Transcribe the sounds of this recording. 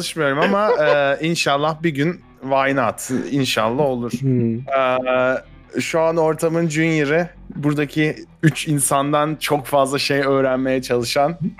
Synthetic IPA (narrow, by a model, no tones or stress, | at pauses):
t͡ʃalˠɯʃmɯjo̞ɾumamaɛːinʃalˠːahbiɟyn | vajnat̪ʰinʃalˠːaɦo̞lˠuɾ̝̥ɛː | ʃuano̞ɾt̪ʰamɯnd͡ʒynjiɾɪbuɾd̪acʰiyt͡ʃinsand̪ant͡ʃʰo̞kfazlˠaʃe̞jø̞ːɾænme̞jɛt͡ʃʰalˠɯʃan